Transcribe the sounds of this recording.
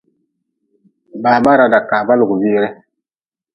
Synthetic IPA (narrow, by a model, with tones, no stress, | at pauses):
baː˨ba˦ɾa˨da˨ka˨ba˦lu˨ɡbi˦ɾɛ˦